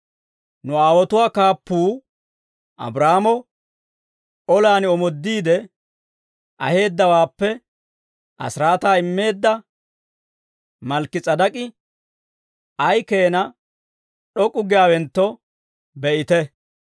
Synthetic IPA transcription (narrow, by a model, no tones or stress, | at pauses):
nʊaːwɔt̪ʊwaːkaːpːuː | ʔɐ̰bɾaːmɔ | ɔlaːnɪɔmɔd̪ːiːd̪ɛ | ʔɐ̰he̞ːd̪ːɐwaːpːɛ | ʔɐ̰sɾaːt̪aːɪmːe̞ːd̪ːɐ | mɐlkːɪt͡sʼɐd̪ɐkʼɪ | ʔɐjkeːnɐ | ɗɔkʼːʊɡɛjaːwɛnt̪ːɔ | bɛʔɪt̪ɛ